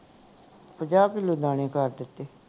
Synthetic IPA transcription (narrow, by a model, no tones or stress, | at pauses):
pəd͡ʒaːbkiloːd̪ãːnẽːkəɾd̪ɪt̪ːeː